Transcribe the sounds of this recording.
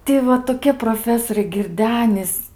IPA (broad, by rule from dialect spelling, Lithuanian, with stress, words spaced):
ˈtʲɪ ʋɐ toːˈkʲiɛ proːˈfʲæːsoːrʲɛɪ ɡʲɪrʲˈdʲæːnʲɪs